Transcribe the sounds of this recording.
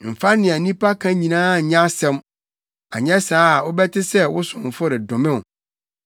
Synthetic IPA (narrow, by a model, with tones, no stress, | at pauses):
m̩˨fa˦nɪ̃˨a˨nĩ˦pʰa˦kʰã˦ɲĩ˨nãː˦˨ɲã˦sɛ̃˦m | a̰˨ɲɛ̃˦saː˦˨ʊ˦bɛ˦tʰɪ˦sɛ˦wʊ˦sʊ̃˨m˨fʊ˦ɾɛ˨dʊ̃˨mɪ̃˦w